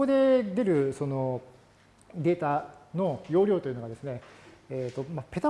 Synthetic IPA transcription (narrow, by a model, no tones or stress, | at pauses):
od̪e̞d̪e̞ɾɯ̟so̞no̞ | d̪e̞ːt̪ano̞jo̞ːɾʲo̞ːt̪o̞iɯ̟nɡad̪e̞sɨneet̪ːo̞mape̞t̪a